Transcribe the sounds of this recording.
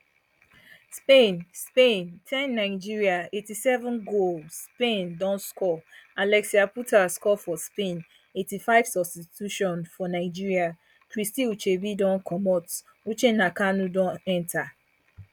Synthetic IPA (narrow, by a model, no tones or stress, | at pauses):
spẽnspẽntʰɛ̃nːaɪd͡ʒiɹiaetisɛvɔ̃nɡolsspẽndɔ̃nskɔalɛksiaputaskɔfɔspẽn | etifaɪv̥sɔbstituʃɔ̃nfɔnaɪd͡ʒiɹia | kɹistiut͡ʃebidɔ̃nkʰɔmɔt | ut͡ʃenakanũdɔ̃nɛ̃ntʰa